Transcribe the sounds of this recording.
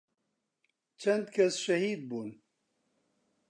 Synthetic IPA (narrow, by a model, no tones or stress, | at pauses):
t͡ʃʰɛnd̪kʰɛsʃɛhiːd̪̚buːn